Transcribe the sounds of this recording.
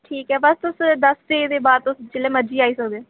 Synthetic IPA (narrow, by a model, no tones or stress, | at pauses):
ʈʰiːkɦɛːbəst̪ʊsd̪əst̪eːd̪eːbaːd̪̚t̪ʊst͡ʃɪleːməd͡ʒiːaːiːsəkd̪eː